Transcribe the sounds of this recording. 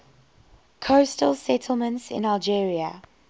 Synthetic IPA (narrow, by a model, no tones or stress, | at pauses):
kʰostəlˠsɛtʰəl̩ˠmə̃ntsɪ̰̃nalˠd͡ʒiːɹiə̰